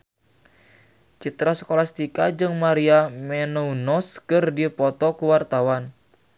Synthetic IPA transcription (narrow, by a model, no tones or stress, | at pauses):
t͡ʃit̪ɾasə̥kolast̪ikad͡ʒɨŋmaɾiamɛnounɔskɨrdipɔt̪ɔkuwart̪awan